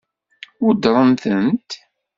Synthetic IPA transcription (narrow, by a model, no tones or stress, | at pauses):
ʊɾd̪ɾˤənθənt̪